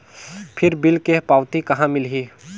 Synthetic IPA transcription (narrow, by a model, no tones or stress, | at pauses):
pʰɪɾbɪlkepaːʊt̪ikɐɦãmɪlɦi